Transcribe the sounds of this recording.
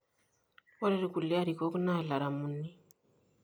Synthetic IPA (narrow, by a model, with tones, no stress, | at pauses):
ɔ˦ɾe˦ɾi˨ku˨le˦a˦ɾi˨ko˦kna˦˨la˨ɾa˨mu˨nːi˦